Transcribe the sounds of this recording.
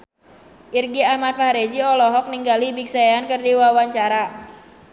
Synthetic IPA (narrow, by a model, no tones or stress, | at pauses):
ʔirɡiahmat̪̚fahɾed͡ʒiɔlɔɦɔk̚niŋɡalibik̚sajaankərdiwawaɲt͡ʃaɾa